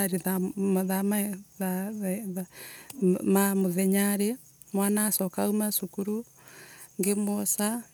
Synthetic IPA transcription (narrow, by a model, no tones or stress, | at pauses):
aɾiðamðamaðaa | mamoðɛɲaɾe | mwanaːsɔkaumasukuɾu | ŋɡemosa